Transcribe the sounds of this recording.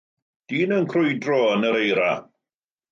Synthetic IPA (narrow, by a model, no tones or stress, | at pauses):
d̥iːnənkʰrʊjdrɔənəɾejɾa̰